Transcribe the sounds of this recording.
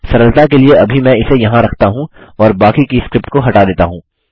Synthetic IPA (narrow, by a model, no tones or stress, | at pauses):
sɐɾəlt̪ak̬elieɐbʱimɛ̃ɪsejɐɦãɾɐkʰt̪aɦũɔːɾbaːkikiskɾɪpʈkoɦɐʈad̪eːt̪aɦũː